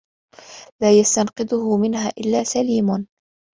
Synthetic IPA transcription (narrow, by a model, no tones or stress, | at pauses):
laːjast̪anqɨd̪ʊhʊmɪnhaːʔɪlːaːsaliːmʊn